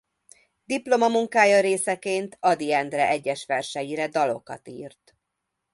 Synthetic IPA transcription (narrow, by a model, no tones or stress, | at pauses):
d̪iplo̞mɒmuŋkaːjɒɾeːsɛkeːnt̪ʰɒd̪iɛnd̪rɛʔɛɟːɛʃʋɛrʃɛjiɾɛd̪ɒlo̞kɒ̰t̪ḭːrt̪